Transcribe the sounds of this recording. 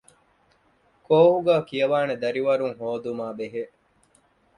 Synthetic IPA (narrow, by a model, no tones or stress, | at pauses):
koːhuɡaːkijɐʋaːned̪ɐɾiʋɐɾuŋɦoːd̪umaːbeɦe